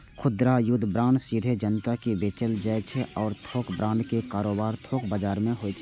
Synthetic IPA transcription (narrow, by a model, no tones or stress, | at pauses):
kʰʊd̪ɾajʊd̪ʱbɾãːɳɖsid̪ʱed͡ʒənt̪akibeːt͡ʃəld͡ʒaːet͡ʃʰeʔɔːɾt̪ʰoːkbɾãːɳɖkekaːɾoːbaːɾt̪ʰoːkbaːd͡ʒaːɾmẽɦoːet͡ʃʰɛ